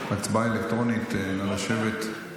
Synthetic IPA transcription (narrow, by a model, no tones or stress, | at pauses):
mat͡sbaelekt̪ʁo̞nit̪lelaʃevet̪